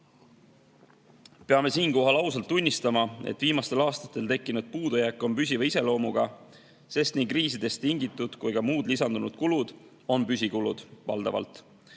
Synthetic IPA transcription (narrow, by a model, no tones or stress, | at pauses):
pe̞ɑme̞siːnko̞ɦɑlɑusɑlt̪ˑːunʲːist̪ɑmɑḛt̪ːˑviːmɑst̪e̞lɑːst̪ɑ̥t̪ːˑe̞lt̪e̞kːinud̪̥̚puːd̪ujækːˑo̞mpys̬ʲivise̞lo̞ːmuɡ̥ɑ | se̞st̪nikriːsid̪̥e̞st̪ːiŋɡ̥it̪ːˑud̪̥kujɡ̥ɑmuːd̪̥lisɑnd̪unud̪̥kulud̪̥ | o̞npysʲikulṵd̪̥vɑ̰ld̪̥ɑ̰vɑ̰lt̪ˑ